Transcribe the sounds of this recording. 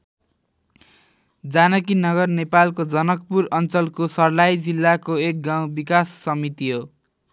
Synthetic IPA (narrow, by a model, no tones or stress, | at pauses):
d͡zanʌkinʌɣʌrnepalkod͡zʌnʌk̚purʌnt͡sʌlkosʌrlajd͡zilːakoek̚ɡaw̃bikasːʌmit̪iɦo